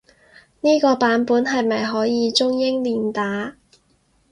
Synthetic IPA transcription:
niː˥kɔː˧paː˨˥npuː˨˥nɦɐ˨jmɐ˨jɦɔː˨˥jiː˨˧t͡ʃʊ˥ŋjɪ˥ŋliː˨˩nt̪aː˨˥

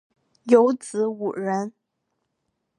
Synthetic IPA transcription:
jo˧˥ʊt͡sɹ̩˧˥u˨˩ɻə˧˥n

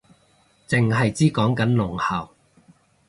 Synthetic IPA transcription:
t͡sɪ˨ŋɦɐ˨jt͡siː˥kɔː˨˥ŋkɐ˨˥nlʊ˨˩ŋhɐ˨˩w

